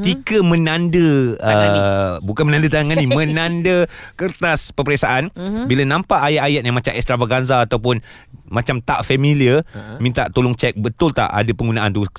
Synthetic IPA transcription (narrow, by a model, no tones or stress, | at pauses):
ət̪ikəmə̃nãndəəbukanmənãndət̪̬aŋanĩmə̃nãndəkərt̪aspəpəɾɛsaʔanbilanãmpaʔajaʔ̪ajat̪̚jaŋmat͡ʃamɛst̪ɾavaɡanzaːt̪awp̬ʊn | mãt͡ʃamt̪a̰ʔfamĩliəmint̪aʔt̪olʊŋt͡ʃɛk̚bət̪ʊlt̪a̰ʔa̰dapəŋɡunaʔand̪u